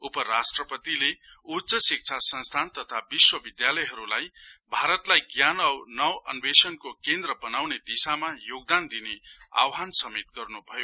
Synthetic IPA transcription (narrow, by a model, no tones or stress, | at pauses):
upʌɾasʈrʌpʌt̪ile | utt͡sʌsik̚t͡sʰasʌnst̪ʰant̪ʌt̪ʰabiswʌbid̪jalʌjɦʌɾulajbʱaɾʌt̪lajɡjanʌwnʌwʌnbesʌnkokend̪rʌbʌnawned̪isamajoɡ̚d̪and̪inea̰wɦansʌmet̪ɡʌrnubʱʌjo